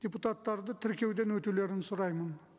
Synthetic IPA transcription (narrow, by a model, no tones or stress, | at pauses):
d̥̪ʲeput̪at̪ːɑɾd̪ət̪ʰɪɾkʲe̞wd̪e̞nwɵt̪ule̞ɾɪnsʊɾɑjmən